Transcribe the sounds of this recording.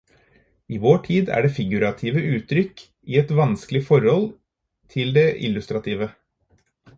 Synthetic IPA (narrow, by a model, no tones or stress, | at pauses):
iːʋoːʈʰiːd̪æ̰ːɖeːfɪɡʉɾɑt̪ʰiːʋəʉːt̪ɾʏk | iːɛt̪ʋɑnsklɪfɔɾhɔl | t̪ʰɪld̪eʔɪ̰lːʉst̪ɾɑt̪ʰiːʋə